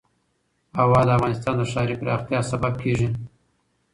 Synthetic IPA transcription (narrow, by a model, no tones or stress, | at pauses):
awɑd̪əafɣɑnɪst̪ɑnd̪əʂɑɾipɾɑxt̪jɑsabab̚kʰeʐi